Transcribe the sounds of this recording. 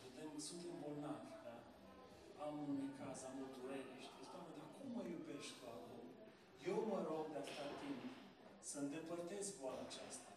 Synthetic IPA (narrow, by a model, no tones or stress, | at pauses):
ud̪emsumubolnavʲd̪a | amɨnikʰazaməd̪uɾeɾeʃt̪ʲiast̪aməd̪ikkumːəjubeʃkuakom | je̞wməɾoɡ̚d̪east̪at̪imp | səɨnd̪epərt̪e̞skvoaɾat͡ʃast̪ḁ